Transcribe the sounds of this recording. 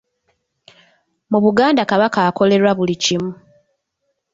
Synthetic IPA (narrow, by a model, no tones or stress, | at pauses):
muβuɡaːndakaβakaːko̞le̞ɾwaβulicimu